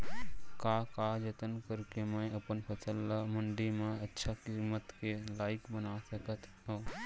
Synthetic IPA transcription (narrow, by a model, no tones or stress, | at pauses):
kakaːd͡ʒət̪ənkəɾkemə̃jɐpənpʰɐt͡ʃəlːamʊɳɖimẽətːʃʰakɪmət̪kelaːɪkbənasɐkət̪ʰ | oː